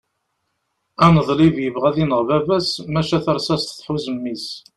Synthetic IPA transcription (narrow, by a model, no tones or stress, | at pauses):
ænəðˤlivjəvʁæðinəʁvævæsmæʃæθəɾˤsæst̪θħuzəmːis